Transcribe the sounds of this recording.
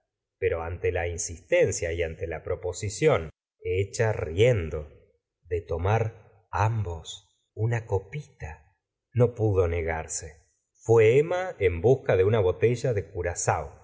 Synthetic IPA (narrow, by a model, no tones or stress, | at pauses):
peɾo̞ant̪elainsist̪e̞nsjaiant̪elapɾo̞po̞sisjo̞n | eet͡ʃarijend̪o̞ | ðet̪o̞maɾ | ambo̞s | unako̞pit̪a | no̞puðo̞ne̞ɣaɾse | fweemaembuskaðeunaβo̞t̪e̞ʒaðe̞kuɾasaw